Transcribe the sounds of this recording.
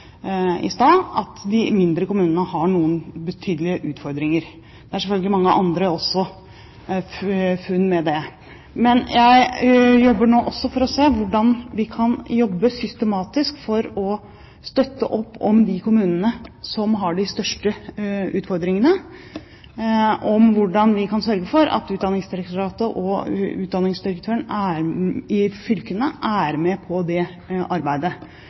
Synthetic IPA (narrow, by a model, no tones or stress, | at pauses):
ɪ̰st̪ɑːɑt̪d̪ɪmɪnd̪ɾəkʊmʉːnənəhɑɳuːənbət̪ʰyːd̪əlɪəʔʉːt̪fɔɾd̪ɾɪŋəɾ | d̪ɛæʂɛfœlɡəlɪmɑŋːəʔɑnd̪ɾəɔsːɔ | fʉnːmɛd̪ɛ | mɛnjæɪjɔbːəɳoːʔɔsːɔfɔɾɔseːʋʊɖɑnʋɪkʰɑnjɔbːəsʏst̪əmɑːt̪ɪskfɔɾɔ | st̪œt̪ːə̰ʔɔpːɔ̰md̪ɪkʰʊmʉːnənəsɔmɦɑɖɪst̪œʂʈəʉːt̪fɔɾd̪ɾɪŋənə | ʔɔmʋʊɖɑnʋɪkʰɑnsœɾɡəfɔɾɑ̰t̪ʉːt̪̚d̪ɑnɪŋsd̪ɪɾɛkt̪ʊɾɑːt̪əʔɔʉ̰ːd̪ɑnɪŋsd̪ɪɾək̚t̪ʰøːəɳæɾɪfʏlkənəʔæɾmɛpʰɔd̪ɛ | ʔɑɾbæɪd̪ə